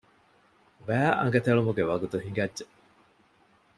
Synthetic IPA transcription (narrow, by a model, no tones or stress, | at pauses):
ʋæːʔɐ̰ŋɡɐt̪eɭumuɡeʋɐɡut̪uhiŋɡɐdːʒe